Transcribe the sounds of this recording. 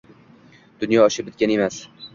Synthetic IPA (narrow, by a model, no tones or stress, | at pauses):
d̪̥ʊnjɒːʃɪp̚bɪt̪̚ɡʲane̞mas